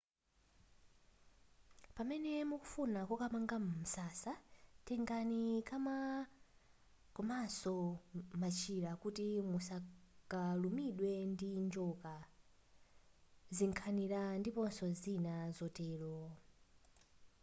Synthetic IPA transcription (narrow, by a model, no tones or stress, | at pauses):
pamɛnɛmuku̥funakɔkamaŋɡamm̩sasatɛŋɡanikama | kɔmasɔmat͡ʃʰiɾakutimusakalumiɗwɛndind͡ʒɔka | ziŋkʰaniɾandipɔnsɔzinazɔtɛːlɔ